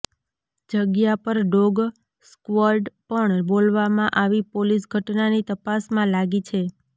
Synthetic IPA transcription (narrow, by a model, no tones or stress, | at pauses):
d͡ʒəɡjapəɾɖoɡ | skʋəɾɖpəɳbolʋamãʔaʋipolisɡʱəʈnanit̪əpasmãlaɡit͡ʃʰe